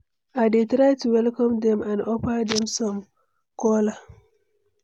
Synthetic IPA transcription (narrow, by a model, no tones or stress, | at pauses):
ʔadetɾajtuwɛlkɔ̃md̪ɛ̃mʔãnʔɔpad̪ɛ̃msɔm | kɔla